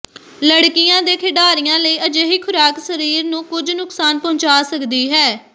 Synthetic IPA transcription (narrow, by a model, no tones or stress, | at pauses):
ləɽkɪjãːd̪eːkʰɪɖaːɾijãːləiːʔəd͡ʒeːɦiːkʰʊɾaːksəɾiːɾnũːkʊd͡ʒnʊksaːnpɔ̃ːt͡ʃaːsəkd̪iːɦɛː